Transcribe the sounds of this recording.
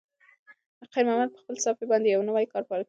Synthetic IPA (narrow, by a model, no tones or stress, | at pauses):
aqajɾmamad̪̚pə̥xpəlsɑfibɑnd̪ejawnawajkɑɾpɑɾa